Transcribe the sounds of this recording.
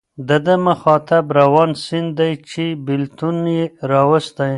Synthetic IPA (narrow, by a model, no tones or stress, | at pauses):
d̪əd̪əməxɑt̪abɾawɑnsɪnd̪d̪ajt͡ʃebɪlt̪unjeɾɑwəst̪aj